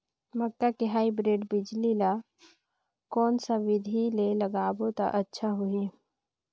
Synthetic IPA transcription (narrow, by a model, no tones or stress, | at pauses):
məkːakiɦaːibɾeːɖbɪd͡ʒlila | kɔːnsaʋɪd̪ʱilelɐɡaːbot̪a̰ʔətːʃʰaɦui